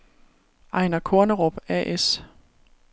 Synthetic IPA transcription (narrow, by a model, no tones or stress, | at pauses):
ʔɑ̈ɪnɐkʰɔɐnəʁob̥æʔes